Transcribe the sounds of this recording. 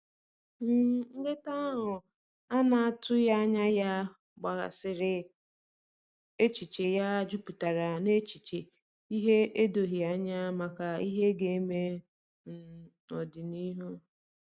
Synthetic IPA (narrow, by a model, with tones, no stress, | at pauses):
m̩˨ŋ̩˦de˦ta˦ɦʊ˨ | a˦na˨a˨tʊ˦ja˦ɲa˦ja˦ | ɡ͡ba˨ɣa̰˨sɪ˨ɾɪ˦ | e˦t͡ʃi˨t͡ʃe˨ja˦d͡ʒu˦pu˨ta˨ɾa˨ne˦t͡ʃi˨t͡ʃe˨ | i˦ɦe˦e˦do˨ɦi˨a˨ɲa˦ma˨ka˨i˦ɦe˦ɡe˨˦me˦ | m̩˨ | ɔ˨dɪ˨ni˦ɦo˦